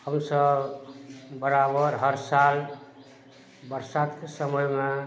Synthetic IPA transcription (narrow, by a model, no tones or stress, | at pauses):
həmsəb | bəɾabəɾɦəɾsal | bəɾsat̪kesəməjme